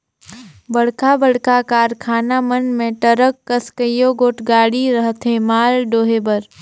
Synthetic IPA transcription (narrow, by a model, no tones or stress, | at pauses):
bəɽkabəɽ̤kakaːɾkʰaːnamənmẽʈəɾəkːəskəjoɡoːʈɡaːɽiɾəɦt̪ɦemaːlɖoːɦebəɾ